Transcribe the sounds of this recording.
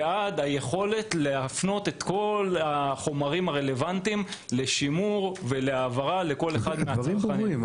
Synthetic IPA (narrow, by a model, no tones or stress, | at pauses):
ad̪aje̞χo̞le̞t̪leafno̞t̪e̞t̪ko̞laχo̞maʁimaʁe̞le̞vant̪imle̞ʃimuʁve̞le̞aːvaʁale̞ko̞leχad̪meaianiim